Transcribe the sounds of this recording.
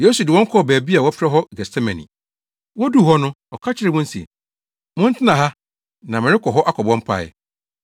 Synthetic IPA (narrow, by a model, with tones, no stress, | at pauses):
je˦su˨dɪ˨wɔ̃˦ŋ̩˦kʰɔ˦˨bæː˨bi˦a˨wɔ˦fɾɛ˦ɦɔ˦ɡɛ˨sɛ˦mɛ̃˨nḭ̃˨ | wɔ˦du˦˨ɦɔ˦nʊ̃˦ | ɔ˨kʰa˦t͡ɕʰɪ˦ɾɪ˨mʊ̃˦n̩˦sḭ˨ | mʊ̃˦n̩˦tʰɪ˦nã˨ɦa˦ | nã˨mɪ̃˨ɾɪ˦kʰɔ˨ɦɔ˦ʔa˦kʰɔ˨bɔ̃˦m̩˦pʰa̰˦˨jɛ̰˨